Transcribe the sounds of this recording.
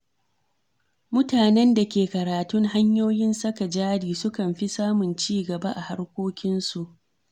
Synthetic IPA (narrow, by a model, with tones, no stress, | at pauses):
mʊ˦taː˨nɛ˦nda˨kʲeː˨kɐ˨ɾaː˨tʊ˦ŋɦa˦ɲjoː˦jɪ˦nsɐ˦ka˨d͡ʒaː˦ɽiː˨sʊ˦kɐ˨mɸi˦saː˦mʊ˨nt͡ʃiː˦ɡɐ˨ba˦ʔa˨ha˦ɽkʷoː˦kʲɪ˦nsu˨ʔ